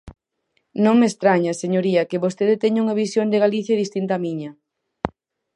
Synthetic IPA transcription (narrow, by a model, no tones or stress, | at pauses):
nõŋmest̪ɾaɲɐseɲoɾiɐkɪβost̪eðet̪eɲuŋɐβisjond̪ɪɣaliθjaɐðist̪int̪aːmiɲɐ